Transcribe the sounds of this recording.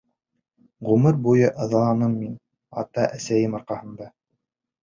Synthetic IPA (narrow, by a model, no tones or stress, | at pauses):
ʁumɘɾbujɤʔɤ̆ðɑ̆lˠɑnɤmːin | ɑ̰t̪ɑʔæsæjɘmɑɾqɑhɤ̆nd̪ɑ